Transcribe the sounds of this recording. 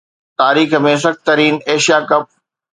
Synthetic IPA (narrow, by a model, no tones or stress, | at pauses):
t̪aːɾiːxəmẽːs̬ɐx̚t̪ɐɾiːneːʃijakɐp̚